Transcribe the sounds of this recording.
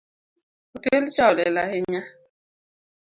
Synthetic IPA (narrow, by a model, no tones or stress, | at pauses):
utelt͡ʃaolɛlaheɲa